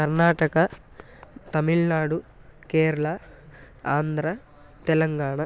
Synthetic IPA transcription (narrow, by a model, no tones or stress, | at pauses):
ɐɾnaːʈɐkɐ | t̪ɐmiɭnaːɽu | keːɾuɭɐ | aːnd̪ʱɾa | t̪ɛlɐŋɡaːɳɐ